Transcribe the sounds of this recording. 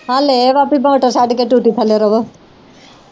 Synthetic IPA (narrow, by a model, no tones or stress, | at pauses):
aleʋapimoːʈɐɾsaɖikeʈuːʈipʰɐleɾɐʋo